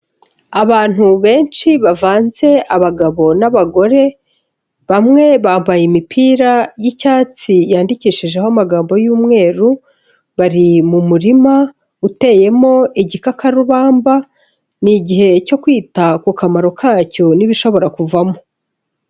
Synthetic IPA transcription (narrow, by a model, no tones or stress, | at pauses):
aβaːn̥huβe̞ːnt͡ʃiβavaːnze̞aβaɡaβo̞naβaɡo̞ɾe̞ | βamŋe̞βaːmbajimipʰiːɾajicaːt͡sijaːndiciːʃiʒe̞hamaɡaːmbo̞juːmŋe̞ːɾu | βaɾimumuɾima | ute̞je̞mo̞iɟikakaɾuβaːmba | niɟiɦe̞co̞kwiːtakukamaɾo̞kʰaːco̞niβiʃo̞βo̞ɾakuvamo